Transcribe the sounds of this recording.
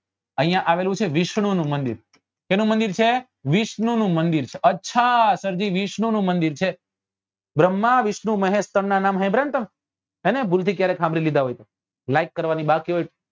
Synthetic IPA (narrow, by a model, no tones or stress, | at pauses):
ə̃ɦĩjãʔaʋelũt͡ʃʰeʋiʃɳ̃unũmənd̪ḭɾ | kenũmənd̪iɾt͡ʃʰe | ʋiʃɳunũmənd̪iɾt͡ʃʰeʔətːʃʰasəɾd͡ʒiʋiʃɳunũmənd̪iɾt͡ʃʰe | bɾəmːaʋiʃɳũməɦẽst̪əɳnanamɦɛ̃bʱɾẽnt̪əm | enebʱult̪ʰikjaɾekʰãmbɾilid̪aɦojt̪o | lajkːəɾʋanibakiɦojʈ